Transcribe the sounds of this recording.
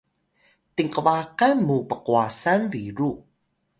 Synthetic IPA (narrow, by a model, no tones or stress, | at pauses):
t̪iŋkəvakanmupəquasanviɾu